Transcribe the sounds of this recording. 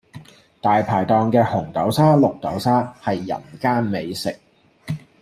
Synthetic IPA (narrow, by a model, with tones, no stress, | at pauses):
t̪aː˨jpʰaː˨˩jt̪ɔː˨˧ŋkɛː˧hʊ˨˩ŋt̪ɐ˨˥wsaː˥lʊ˨k̚t̪ɐ˨˥wsaː˥hɐ˨jːɐ̰˨˩nkaː˥nme˨˧jsɪ˨k̚